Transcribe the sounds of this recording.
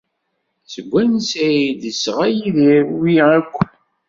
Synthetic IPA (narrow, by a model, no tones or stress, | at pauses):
səɡʷːænsæid̪isʁæjiðiɾwiækʷːən